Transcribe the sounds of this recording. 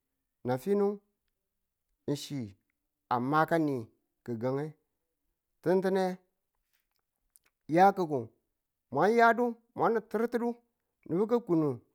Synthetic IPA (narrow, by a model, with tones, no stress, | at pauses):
na˨fi˦nu˦ŋ | n̩˨ʃi˨ | a˨ma˦ka˦ni˨ | kə˨ɡa˨ŋe˦ | ti˦n˦ti˦ne˦ | ja˦kə˨ku˨ | mʷa˦nja˦du˦ | mʷa˦n˨ti˦ɾti˦du˦ | ni˨bu˦k̬ə˦ku˨nu˨